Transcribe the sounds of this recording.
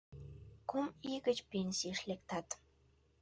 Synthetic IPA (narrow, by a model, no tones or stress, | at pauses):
kumiɣət͡ɕpenʲsiəʃlek̚t̪ɑt̪